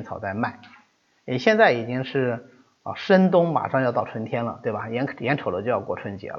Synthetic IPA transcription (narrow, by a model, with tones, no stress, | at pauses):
nt͡sʰɑ˨˩ʊt͡sa˥˧ɪma˥˩ɪ | ɛ˨˩ɕjɛ˥˧nt͡sa˥˩ɪi˨˩t͡ɕi˥ŋʂɻ̩˥˩ | ə̰˧˩ʂə˥nt̪ʊ˥ŋma̰˨˩ʂɑ˥˧jʊt̪ɑ˥˩ʊʈ͡ʂʰwə˧˥nt̪ʰjɛ˥nlə̰˨t̪we˥˩ɪbɐ˩jɛ˧˥njɛ˧˥nʈ͡ʂʰo˨˩ʊd̪ə˦t͡ɕjo˥˧ʊjɑ˥˧ʊkwɔ˥˩ʈ͡ʂʰwə˧˥nt͡ɕjɛ̰˧˥lə˧˦